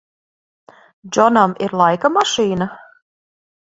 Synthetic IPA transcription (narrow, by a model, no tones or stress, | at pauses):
d͡ʒɔnamiɾlˠajkamaʃiːna